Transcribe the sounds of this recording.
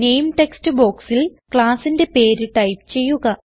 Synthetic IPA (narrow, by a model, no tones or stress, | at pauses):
ne̞jmʈe̞kstɨbo̞ːksilkɭaːsinde̞pe̞ːɾɨʈɐjpt͡ɕe̞jːuɣɐ